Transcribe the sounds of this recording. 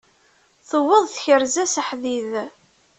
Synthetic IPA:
θəwːəðˤθçəɾzæsəħðið

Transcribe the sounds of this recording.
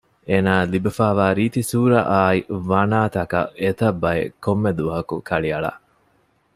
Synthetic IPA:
eːnaːlibɐfaːʋaːɾiːt̪isuːɾɐʔaːiʋɐnaːt̪ɐkɐ̰et̪ɐbːɐjḛkomːed̪uʋɐɦɐkukʰɐɭiɐɭa̰

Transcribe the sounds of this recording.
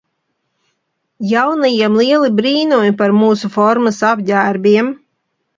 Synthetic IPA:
jawnajiɛmlˠiɛlˠibɾiːnuɔjpaɾmuːsufɔɾmɨsabʲdæːɾbʲiɛm

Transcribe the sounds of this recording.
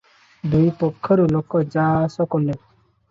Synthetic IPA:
d̪ujpɔkʰːɔɾulokːɔd͡ʒasɔkɔlːe

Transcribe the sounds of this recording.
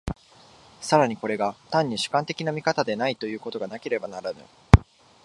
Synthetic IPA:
saɾaɲ̟iko̞ɾe̞ɡat̪ãɲ̟ːiɕɨ̥kãnt̪e̞kʲinamʲikat̪ad̪e̞nait̪o̞jɯ̟ːko̞t̪o̞ɡanake̞ɾe̞banaɾanɯ̟̰

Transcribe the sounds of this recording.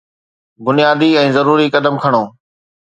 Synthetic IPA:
bʊnɪjaːd̪iɛ̃ːzɐɾuːɾikɐd̪əmkʰɐɽ̃oː

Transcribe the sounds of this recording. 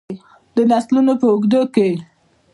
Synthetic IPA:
d̪ənaslunopəʊɡd̪oke

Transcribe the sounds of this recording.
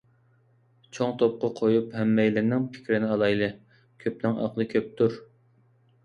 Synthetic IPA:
t͡ʃʰoŋt̪ʰop̚qɑqʰojuphɛmːɛjlɪɾnɪŋpʰɪ̥kʲɾɪnɪɑlˠɑjlˠɨ | kʲʰøp̚nɪŋɑ̰qlˠɨkʲʰøp̚t̪ʰuɾ

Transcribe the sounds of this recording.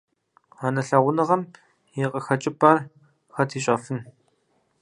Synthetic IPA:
anɐɬɐʁʷʊnɨʁɐm | jiqʼɐxɐt͡ʃʼɪbʼɐr | xɐtʰiːɕʼɐfɨn

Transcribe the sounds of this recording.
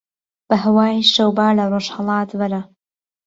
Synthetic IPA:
b̥ɐɦɐwaːjʃɐwbaːlɐroːʃhɑlˠɑːt̪vɐɾɐ

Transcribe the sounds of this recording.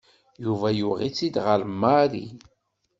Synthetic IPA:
juvæjuʁit͡sːid̪ʁəɾmːaɾḭ

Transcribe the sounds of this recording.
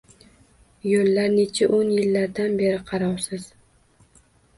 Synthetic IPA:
jolːaɾne̞t͡ʃʰaʔonjɪlːaɾd̪anbe̞ɾɪqʰɑɾɒwsɪz̥

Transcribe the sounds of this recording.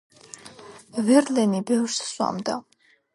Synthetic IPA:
vɛɾlɛnibɛvsswa̰md̪a

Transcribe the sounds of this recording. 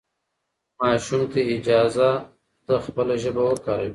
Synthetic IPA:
mɑːʃumt̪eɪd͡ʒɑːza | t̪axpəlaʒəbawəkaɾawi

